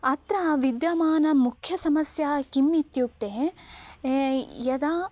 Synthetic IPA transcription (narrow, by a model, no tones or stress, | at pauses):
ɐt̪ɾɐʋid̪jɐmaːnɐmukʰjɐsɐmɐsjaːkimːit̪juk̚t̪e | jɐd̪a